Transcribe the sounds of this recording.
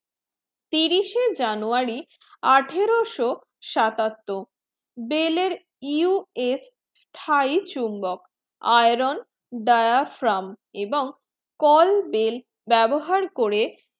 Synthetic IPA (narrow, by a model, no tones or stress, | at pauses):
t̪iɾiʃed͡ʑanuaɾi | aʈʰeɾoʃo | ʃat̪at̪ːo | beleɾ | iues | st̪ʰait͡ɕumbok | a̰jɾon | ɖajaɾfɾameboŋ | kɔlbel | bɛboɦaɾkoɾe